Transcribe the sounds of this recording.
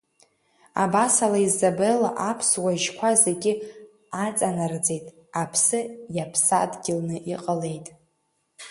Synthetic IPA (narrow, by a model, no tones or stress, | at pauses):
a̰basalaizːabela̰ʔapʰswaʒkʷʰaze̞ɡʲɪ | at͡sʼanard͡ze̞jtʼ | apʰsɨjapʰsa̰dɡʲɪlnɨʔiqʼəle̞jtʼ